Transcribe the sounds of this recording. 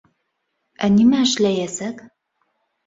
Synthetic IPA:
ænimæɘ̆ʃlæjæsæk

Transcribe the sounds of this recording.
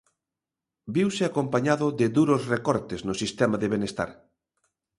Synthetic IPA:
biwsɪakompaɲaðʊðɪðuɾosrekɔɾt̪eznʊsist̪ɛmaðɪβ̞enest̪a̰ɾ

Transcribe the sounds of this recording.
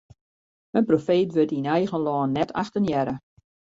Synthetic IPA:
mənprofeːtʋøtinɛjɣənlɔːnːɛtʰa̰xtənjɛɾə

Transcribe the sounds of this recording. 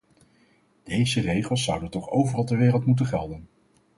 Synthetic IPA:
d̥ejzərejχəlˠsːʌwdəntɔχo̰wvərɑlˠtəɹʋɪːrəlˠtmutənχɛlˠdən

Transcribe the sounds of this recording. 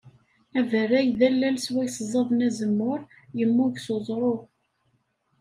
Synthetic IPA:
ævərːæjðælːælswæjszˤɑðˤnæzəmːʊɾ | jəmːʊʝsozˤɾˤo

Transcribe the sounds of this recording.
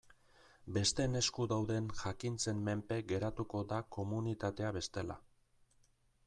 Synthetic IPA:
be̞st̪e̞ne̞skuðawðe̞nʝakint͡se̞mme̞mpe̞ɡe̞ɾat̪uko̞dako̞munit̪at̪e̞aβe̞st̪e̞la̰

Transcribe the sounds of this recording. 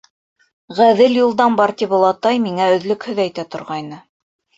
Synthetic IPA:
ʁæðɘljulˠd̪ɑnbɑɾt̪ʲiβŏlˠɑt̪ɑjmiŋæɵ̆ðlɵkhɵ̆ðæjt̪æt̪ŏɾʁɑjnɤ

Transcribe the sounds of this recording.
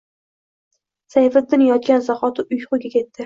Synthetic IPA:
sajfad̪ɪnjɒt̪̚kʲansaχɒt̪ʰʊʊjqʊɡʲakʲʰe̞t̪ːɪ

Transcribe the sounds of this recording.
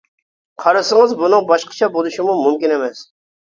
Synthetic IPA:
qʰɑɾɨsəŋɨzbunɨŋbɑʃqʰə̥t͡ʃʰɑbolˠuʃɪmumumkʲinemɛs

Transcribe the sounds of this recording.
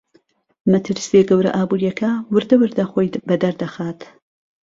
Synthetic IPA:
mɐt̪ʰɨɾseɡɐwɾɐ̰ʔaːbuːɾijɐkʰɐwɨɾd̪ɐwɨɾd̪ɐxoːjbɐd̪ɐɾd̪ɐxaːt̪

